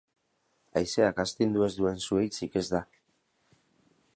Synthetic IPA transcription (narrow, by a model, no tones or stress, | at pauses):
ajse̞akast̪ind̪ue̞zd̪ue̞nsue̞jt͡sike̞zd̪a